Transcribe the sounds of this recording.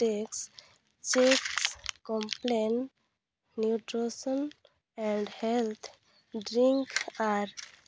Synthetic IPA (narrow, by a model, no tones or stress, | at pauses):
ʈeks | t͡ʃekskɔ̃mplen | njuʈɾosə̃n | ɛ̃ɳɖhɛlt̪ʰ | ɖɾĩŋkaɾ